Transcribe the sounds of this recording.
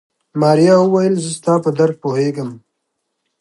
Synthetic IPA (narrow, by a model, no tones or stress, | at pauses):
mɑːɾijɑwuwajəlzəst̪ɑːpəd̪aɾk̚poheɡəm